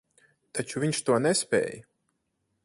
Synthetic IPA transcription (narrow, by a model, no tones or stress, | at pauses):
t̪at͡ʃuvʲiɲʃt̪uɔnɛspʲɛ̰ːj